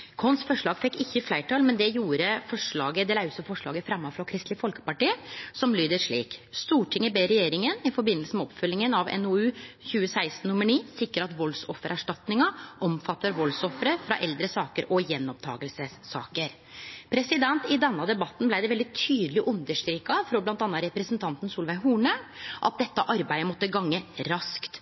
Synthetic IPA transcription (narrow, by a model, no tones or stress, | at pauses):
kʰɔnsfɔʂɭɑːɡfɛkːɪçːəflæɪʈʰɑːlmɛnd̪ɛjuːɾəfɔʂɭɑːɡəd̪ɛlɑʉsəfɔʂɭɑːɡəfɾɑmːɑfɾɑkʰɾɪst̪lɪfɔlkə̥pɑʈiːəsɔmlyːd̪əʂɭḭːkst̪uːʈʰɪŋːəbeːɾɛjeːɾɪŋənɪfɔɾbɪnːəlsəmɛɔpfœlːɪŋənɑʋɛ̰nʊʉːçʉːəsæɪst̪n̩ːʊmːəɳiːsɪkɾəɾɑt̪ʋɔlsɔfəɾʔæʂʈɑt̪nɪŋɑʔɔmfɑt̪ːəɾʋɔlsɔfɾəfɾɑ̰ʔɛld̪ɾəsɑːkəɾʔɔjɛnːɔp̚t̪ʰɑ̰ːɡəlsəsːɑ̰ːkəɾ | pʰɾɛsɪd̪ɛnt̪ɪd̪ɛnːɑd̪ɛbɑt̪ːn̩blæɪd̪ɛʋɛld̪ɪt̪ʰyːd̪əlɪʔʉnd̪əʂkɾiːkɑfɾɔblɑnt̪ɑnɑɾɛpɾɛsnt̪ʰɑnt̪n̩suːlʋæɪɦuːɳəʔɑ̰t̪̚d̪ɛt̪ːəʔɑɾbæɪəmɔt̪ːəɡɑŋːəɾɑskt̪